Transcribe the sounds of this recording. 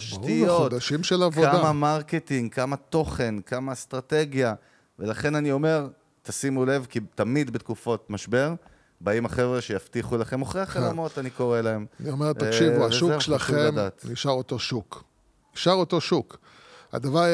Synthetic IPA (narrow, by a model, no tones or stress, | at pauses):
aʃuijmeood̪aʃimʃelavkːadamamaʁketiŋɡkamat̪o̞χe̞nkamast̪ʁate̞ɡja | velaχe̞nanio̞me̞ʁ | t̪asimule̞vkit̪amid̪bet̪kufo̞t̪maʃbe̞ʁ | baimaχe̞vʁeʃejaftiχulaχe̞moχʁeaχaamot̪aniko̞ʁelae̞mniomeʁt̪akʃivuavʃukʃelaχemdaːt̪niʃaʁot̪o̞ʃuk | niʃaʁoto̞ʃuk | a̰d̪avaʁ